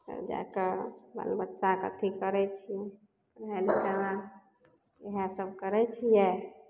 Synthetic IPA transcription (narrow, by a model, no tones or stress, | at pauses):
t̪ə̰d͡ʒa̰kebə̰lbətːʃakə̰t̪ʰikəɾɛt͡ʃʰi | ɾɦɛlit̪ənã | eɦasəb̚ʱkəɾɛt͡ʃʰijɛ